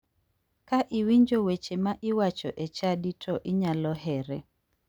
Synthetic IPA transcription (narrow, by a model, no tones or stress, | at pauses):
kaʔɪwiɲd͡ʒowet͡ʃemaʔɪwat͡ʃɔ̰ʔet͡ʃaditʰɔʔɪɲalɔɦɛɾɛ